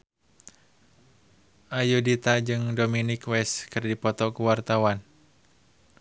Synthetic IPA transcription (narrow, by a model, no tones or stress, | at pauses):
ʔajudit̪ad͡ʒɨŋdominikwɛskɨrdipɔt̪ɔkuwart̪awan